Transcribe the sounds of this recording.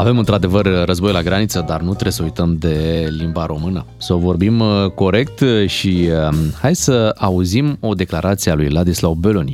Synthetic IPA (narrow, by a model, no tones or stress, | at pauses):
ave̞mɨnt̪ɾad̪e̞vərːəzbo̞jlaɡɾanit̪səd̪arnut̪ɾesəujt̪əmd̪e̞limbaɾʔo̞mɨnə | sovo̞rbimko̞ɾe̞k̚t̪ʃihajd̪səauzimo̞d̪e̞klaɾʔat̪siealujlad̪islawbe̞lonʲi